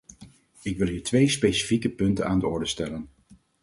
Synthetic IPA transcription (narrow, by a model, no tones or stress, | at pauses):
ɪkʋɪlˠɦiːɹtʋejspejsi̥fikəpɵntənaːndəɔɹdəstɛlən